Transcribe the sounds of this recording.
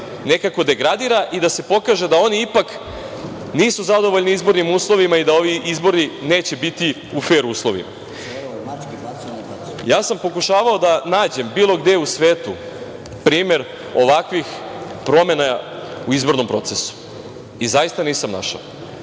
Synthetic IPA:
ne̞kako̞d̪e̞ɡɾad̪iːɾaʔid̪ase̞po̞kaʒe̞d̪ao̞niipak | niːsuzad̪o̞ʋo̞ʎniizbo̞ɾnimuːslˠo̞ʋimaid̪ao̞ʋiʔizbo̞ɾnine̞ːt͡ɕe̞bit̪i | ufe̞ːɾuuːslˠo̞ʋḭma̰ | jaːsampo̞kuʃaːʋao̞d̪anaːd͡ʑe̞mbiːlˠo̞ɡd̪eusʋe̞ːt̪u | pɾiːme̞ɾ | o̞ʋakʋixpɾo̞me̞nauizbo̞ɾno̞mpɾo̞t̪sesu̥ | izajist̪aniːsamna̰ʃa̰o

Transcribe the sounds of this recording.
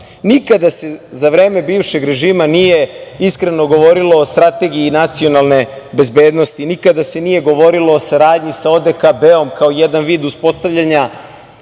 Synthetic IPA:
nikad̪ase̞zaʋɾe̞ːme̞biːvʃe̞ɡɾe̞ʒiːmanije̞iskɾe̞no̞ɡo̞ʋo̞ɾilo̞ːst̪ɾat̪e̞ɡiiːnat̪sio̞nalˠne̞be̞zbe̞ːd̪no̞st̪inikad̪ase̞nije̞ɡo̞ʋo̞ɾilo̞ːsaɾaːd̪ɲisao̞d̪ekabeo̞mkaojed̪anʋiːd̪uspo̞st̪aʋʎaɲa

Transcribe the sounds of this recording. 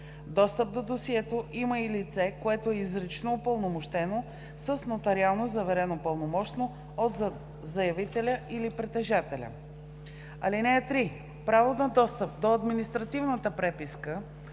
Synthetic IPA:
d̪ɔst̪əp̚d̪od̪osiɛt̪oʔiməilit̪sɛkoɛt̪oɛizɾɛt͡ʃnoːpəlˠnomoʃt̪ɛno | səsnot̪ɐɾialˠnozɐvɛɾɛnopəlˠnomɔʃt̪no | ot̪ | zɐjɐvit̪ɛlʲəʔilipɾɛt̪ɛʒat̪ɛlʲə̰ | ɐlinɛːt̪ɾi | pɾavonɐd̪ɔst̪əp̚d̪oɐd̪minist̪ɾɐt̪ivnət̪əpɾɛpiskə

